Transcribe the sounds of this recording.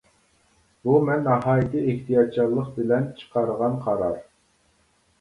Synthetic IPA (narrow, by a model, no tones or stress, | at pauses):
bumɛnːɑɦɑːjit̪ɨeht̪ʰijɑd̪̚t͡ʃʰɑlˠːəq̚bɪlɛnt͡ʃʰə̥qʰɑɾəʁɑnqʰɑɾɑɾ